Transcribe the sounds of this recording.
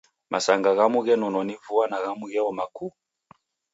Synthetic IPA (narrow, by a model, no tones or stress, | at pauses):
mʔa̰saŋɡaɣamuɣɛnɔnɔnivuanaɣamuɣɛɔmaku